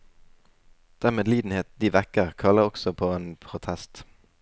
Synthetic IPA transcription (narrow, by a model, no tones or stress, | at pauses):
d̪̥æːʁmeːd̪liːd̪n̩heːt̪̚d̪iːʋækəʁkʰɑləʁɔksɔpʰoːeːnpʰʁʊt̪ʰɛst̪